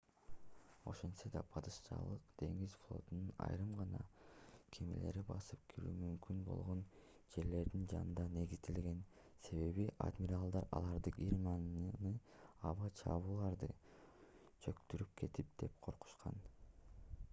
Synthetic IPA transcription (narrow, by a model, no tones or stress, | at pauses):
o̞̰ʃensed̪ɑpʰɑd̪ɯʃʃɑ̰lˠɯqd̪̥e̞ŋizflˠo̞̰t̪ununɑ̰jɾɯmʁɑnɑkʰemḛle̞̰ɾibɑsɯp̚kʰiɾy̰ːmymkynbo̞̰lˠʁo̞n | d͡ʒe̞ɾle̞ɾd̪ind͡ʒɑnɯnd̪ɑne̞ɡizd̪elɡe̞n | se̞βe̞βiʔa̰d̪mʲiɾalˠd̪ɑɾɑ̰lˠɑɾd̪ɯqiɾmɑnnɯɑβɑt͡ʃʰɑ̰βuːlˠɑɾd̪ɯ | t͡ʃʰø̞kt̪yɾyp̚kʰe̞t̪ip̚d̪̥e̞p̚qʰo̞ɾqu̥ʃqʰɑn